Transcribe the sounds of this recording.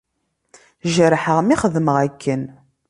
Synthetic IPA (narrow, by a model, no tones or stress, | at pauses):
ʒəɾħəʁmiχəðməʁækːən